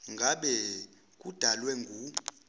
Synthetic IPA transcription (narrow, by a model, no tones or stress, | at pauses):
ŋɡʱaɓɛ | k̬ʼud̥ʱalwɛŋɡʱu